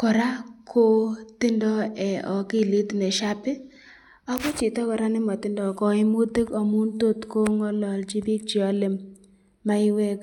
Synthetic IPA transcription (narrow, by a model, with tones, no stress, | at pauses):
kɔ˨ɾa˦kʰo˦t̪ɪ˦ndɔ˦ɛ˨ʔɔ˨kɪ˦˨li˦t̪nɛ˨ʃa˦pɪ˦ | ɔ˦kɔ˦t͡ʃɪ˨t̪ɔ˦kɔ˨ɾa˦nɪ˦mɔ˨t̪ɪ˦ndɔ˨kɔ˦ɪ˦mu˦t̪i˦kɔ˨mu˦nt̪o˦t̪ko˦ŋɔ˦lɔ˨lt͡ʃi˦bi˦k̚t͡ʃɪ˨ɔ˦lɪ˦mː | a˦ɪ˦we˦k